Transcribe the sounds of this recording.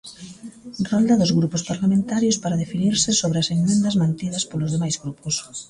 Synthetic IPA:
rɔld̪ɐðʊzɣɾupʊspaɾlamẽnt̪aɾjospaɾaðefiniɾsɪsoβɾeɐsenmẽnd̪ɐzmãnt̪iðɐspolʊzðemajzɣɾupos

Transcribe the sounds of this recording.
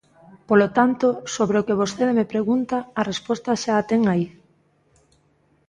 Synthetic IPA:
polot̪ant̪osoβɾeokeβ̞osθeðemepɾeɣunt̪aːrespɔst̪ɐʃaːt̪eŋai

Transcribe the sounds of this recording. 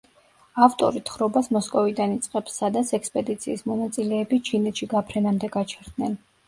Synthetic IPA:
aft̪ʼɔ̰ɾit̪ʰχɾɔbasmɔskʼɔvid̪anit̪sʼqʼɛpsːad̪at̪sʰɛkspʼɛd̪it̪sʰḭːsmɔnat̪sʼilɛːbit͡ʃʰinɛt̪ʃiɡapʰɾɛnamd̪ɛɡat͡ʃʰɛɾd̪nɛn

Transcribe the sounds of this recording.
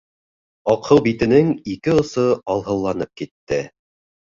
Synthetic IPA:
ɑqʰɤlˠbit̪ɘ̆nɘŋikɘŏsɤɑlˠɦɤ̆lˠːɑnɤp̚kit̪ːɘ

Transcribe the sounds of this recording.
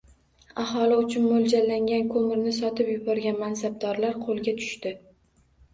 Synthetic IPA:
ahɒlɪʊt͡ʃʰʊnmold͡ʒalːaŋɡʲankʰɵmɪɾnɪsɒt̪ʰɪpjʊbɒɾɡʲanmansab̚d̪ɒɾlaɾqʰolˠɡʲat̪ʰʊ̥ʃt̪ɪ

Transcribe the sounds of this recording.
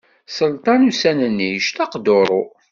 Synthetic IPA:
səlt̪ˤɑnusænənːiʃt̪ɑqd̪oɾˤo

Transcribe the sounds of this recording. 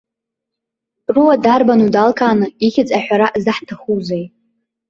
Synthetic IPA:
ruwadarbanudalkʰʼaːnɨiχʲɪt͡sʼaħʷᶣaɾaʔzɨħtʰaχuzej

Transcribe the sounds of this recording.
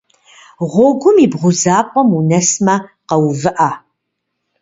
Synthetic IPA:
ʁʷɔɡʷʊmiːbʁʷʊzaːpʷʼɔmunɐsmɐqɐwvɨʔaː

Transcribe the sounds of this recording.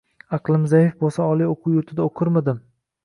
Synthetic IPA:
ɑqlˠɪmzajɪfbosaɒlˠijoqʰuwjʊɾt̪ʰɪd̪aoqʰɨɾmad̪ɪm

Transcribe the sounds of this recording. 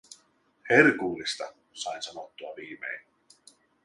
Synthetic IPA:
heɾkuːlist̪a | sansanɔt̪ːuaviːmḛjn

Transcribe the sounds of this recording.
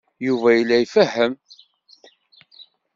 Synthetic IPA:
juvæjəlːæjfəhːəm

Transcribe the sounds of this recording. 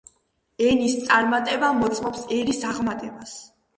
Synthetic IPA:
ɛnist̪sʼaɾmat̪ʼɛbamɔt̪sʼmɔpsɛɾisaʁmat̪ʼɛbas

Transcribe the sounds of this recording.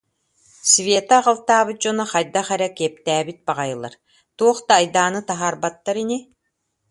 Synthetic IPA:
svʲeːt̪aʁalˠt̪aːbɯt̪̚d͡ʒɔnɔχajd̪aχɛɾɛkɛɛp̚t̪æːbit̪̚baʁajɯlˠa̰ɾ | t̪uɔχd̪aːjd̪aːnɯt̪aɦaːɾbat̪ːaɾini

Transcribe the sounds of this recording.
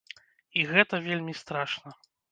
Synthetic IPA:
iɣɛt̪ɐvʲelʲmʲist̪ɾaʂnɐ

